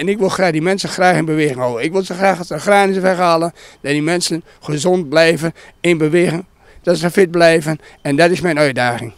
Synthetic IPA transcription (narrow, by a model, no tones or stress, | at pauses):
ɛnɪkʋɪlˠxraːxdimɛnsənxraːxɪnbəʋeːɣɪŋhoːəɪkʋɪlˠzəxraːxəxraːnɪzəfɛɣalˠəndɔtdimɛnsən | χəzont̚blɛjvənɪnbəʋeːɣɪŋ | d̥ɔtsəfɪt̚blɛjvənɛndɔtɪsmɛjnœɥtdaːɣɪŋ